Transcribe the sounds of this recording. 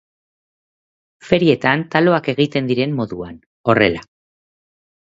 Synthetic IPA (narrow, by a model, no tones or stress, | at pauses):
fe̞ɾie̞t̪ant̪alo̞ake̞ɣ̞it̪e̞nd̪iɾe̞mːo̞ðuan | o̞re̞̰la